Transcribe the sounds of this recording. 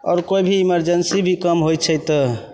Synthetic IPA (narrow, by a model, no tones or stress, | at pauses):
ɔ̰ːɾkojbʱiːməɾd͡ʒənsibʱikəmɦojt͡ʃʰəjt̪